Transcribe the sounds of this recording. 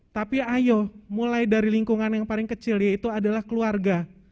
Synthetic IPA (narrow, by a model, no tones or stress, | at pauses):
t̪apiajomulajdaɾiliŋkuŋanjaŋpalɪŋkət͡ʃɪljait̪uadalahkəluarɡa